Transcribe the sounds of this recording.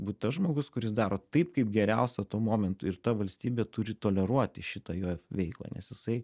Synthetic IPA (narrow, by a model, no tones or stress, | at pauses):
buːt̪t̪ɐsʒmoːɡʊskʊɾʲɪsd̪ɑːɾoːt̪ɐɪpkɐɪp̚ɡʲɛɾʲæʊsʲɛt̪uɔmoːmʲɛnt̪ʊːɪɾt̪ɐʋɐlʲsʲt̪ʲiːbʲeːt̪ʊɾʲɪt̪oːlʲɛɾuɔt̪ʲɪʃʲɪt̪ɑjoːʋʲɛɪklˠɑ̰nʲɛ̰sjɪsɐɪ